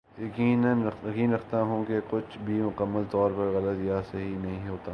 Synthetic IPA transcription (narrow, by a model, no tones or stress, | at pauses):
jɐkiːnənjɐkiːnɾɐkʰt̪aɦũkekʊt͡ʃʰbʱimʊkəmːəlt̪ɔːɾpɐɾɣɐlət̪jaseɦinɐɦĩɦoːt̪aː